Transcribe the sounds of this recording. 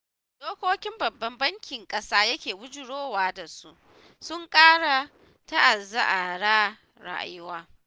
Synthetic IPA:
soː˦kʷoː˦kʲɪ˦mbɐ˨bːɐ˦mbɐ˦ŋkʲɪ˨ŋkʼɐ˦saː˦jɐ˦kʲeː˨wʊ˦d͡ʒʊ˨ɽoː˦waː˦da˨su˦ʔ | sʊ˦ŋkʼaː˦ɽa˨ | ta˦ʔa˨za˦ʔa˨ɽaː˦ | ɽa̰˦ʔa̰˨jʊ˦waː˦

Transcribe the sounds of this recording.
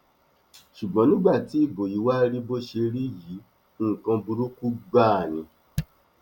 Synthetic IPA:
ʃu˨ɡ͡bɔ̃˨˦nĩ˦ɡ͡ba˦˨ti˨˦i˦˨bo˨ji˨˦wa˦ɾi˦bo˦ʃe˧ɾi˦ji˨˦ | ŋ̩˨kã˧bu˧ɾu˦ku˦ɡ͡ba˦˨nĩ˨

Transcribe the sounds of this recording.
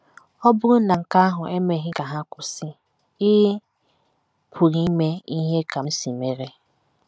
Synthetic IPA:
ɔ˦bʊ˦ɾʊ˦na˨ŋ̩˨ka˦a˦ɦʊ˨e˦me˨ɦɪ˦ka˨ɦa˦kʊ˨sɪ˦ | ɪ˦ | pʰu˨ɾi˦me˦i˦ɦe˦ka˨m̩˦si˨me˨ɾe˦

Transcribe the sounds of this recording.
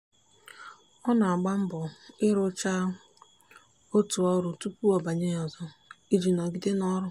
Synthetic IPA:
ɔ˦na˨a˨ɡ͡ba˦m̩˦bʊ˨ɪ˦ɾʊ˦t͡ʃa˦ | o˦tu˨ɔ˦ɾʊ˨tu˦pu˦ɔ˨ba˨ɲe˦ɔ˨zɔ˦ | i˦d͡ʒi˨nɔ˨ɡi˦de˦nɔ˦ɾʊ˦

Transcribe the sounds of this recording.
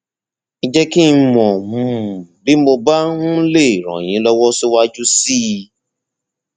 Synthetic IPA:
ĩ˧d͡ʒɛ˦ki˦n̩˧mɔ̃˨mũ˨˧˨bi˨˦mo˧ba˦nũ˦le˦˨ɾ̃ɔ̰̃˨j̃ĩ˨˦lɔ˦wɔ˦so˦wa˦d͡ʒu˦si˦˧

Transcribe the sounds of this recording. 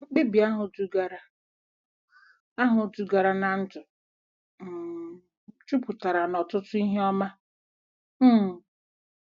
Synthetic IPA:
ŋ͡m̩˦k͡pi˦bi˨a˦ɦʊ˨tu˦ɡa˨ɾa˦ | a˦ɦʊ˨tu˨ɡa˨ɾa˨na˨n̩˦tʊ˨ | m̩˨ | t͡ʃu˦pʊ˨ta˨ɾa˨nɔ˨tʊ˦tʊ˦i˦ɦe˦ɔ˦ma˦˨

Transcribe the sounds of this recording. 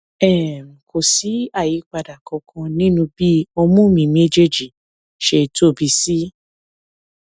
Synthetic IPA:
ɛ˦˨kʰo˨si˨˦a˦˨ji˨˦k͡pa˧da˨kɔ̃˧kʰɔ̃˧nĩ˦nũ˧bi˦ɔ˧mũ˦mĩ˧me˦d͡ʒe˦d͡ʒi˨ | ʃe˧to˦˨bi˧si˦

